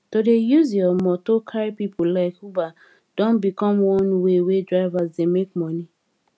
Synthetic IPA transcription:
todejuziɔmɔtokʰaɹipipʰolaɪkhuba | d̥ɔ̃nbikɔ̃mwɔ̃nwewedɹaɪvazdemek̚mɔni

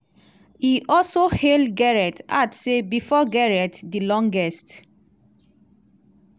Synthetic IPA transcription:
iʔɔlsohɛlɡɛɹɛtatsebifɔɡɛɹɛtdilɔ̃ŋɡɛst

